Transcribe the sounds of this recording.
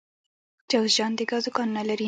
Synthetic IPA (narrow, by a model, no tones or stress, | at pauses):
d͡ʒaɣʒɑnd̪eɡazʊkɑnnalaɾi